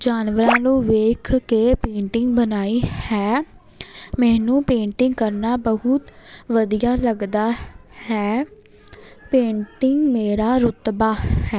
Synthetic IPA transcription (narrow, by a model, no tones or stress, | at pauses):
d͡ʒaːnʋəɾãːnũːʋeːkʰkeːpẽːɳʈɪŋɡbənaːiːhɛː | mɛ̃ːnũːpẽːɳʈɪŋɡ̚kəɾnaːbəɦʊt̪ʋəd̪ijaːləɡd̪aːhɛː | pẽːɳʈɪŋɡmeːɾaːɾʊt̪baːhɛː